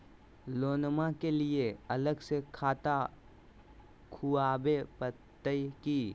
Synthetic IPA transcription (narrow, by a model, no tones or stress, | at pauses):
loːnmakelieɐləɡsekʰaːt̪a | kʰuaːbepət̪ːəjkiː